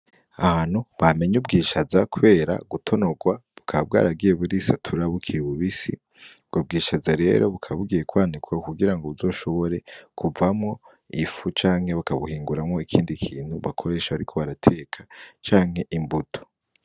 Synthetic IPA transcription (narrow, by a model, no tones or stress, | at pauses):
a̰haːn̥huβame̞ɲubɡiːʃazakuβe̞ːɾa̰ɡutʰo̞no̞ɡwaβukʰaβab̚ɡa̰ːɾaɡije̞βuɾisatʰuɾaβukʰiɾiβuβisḭ | ɡob̚ɡiːʃazaɾe̞ːɾo̞βukʰaβaβuɡiːjekwaːnikwakuɡiɾaŋɡoβuzo̞ːʃo̞βo̞ɾe̞kʰuvamŋo̞ | ifut͡ʃaːŋ̥he̞βakaβuhiːŋɡuɾamŋo̞ikʰiːndikʰiːn̥huβakʰo̞ɾe̞ːʃaβaɾikʰo̞βaɾatʰe̞ːkʰat͡ʃaːŋhe̞ʔimbutʰo̥